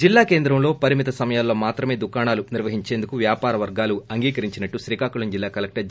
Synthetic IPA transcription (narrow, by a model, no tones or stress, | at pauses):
d͡ʒilːaːke̞ːnd̪ɾɐmlo̞ːpɐɾimit̪ɐsɐmɐjaːlːo̞ːmaːt̪ɾɐme̞ːd̪ukaːɳaːluniɾʋɐɦiɲt͡ʃe̞ːnd̪ukuʋjaːpaːɾɐʋɐɾɡaːluɐŋɡiːkɐɾiɲt͡ʃinɐʈːuʃɾiːkaːkuɭɐɲd͡ʒilːaːkɐlek̚ʈɐ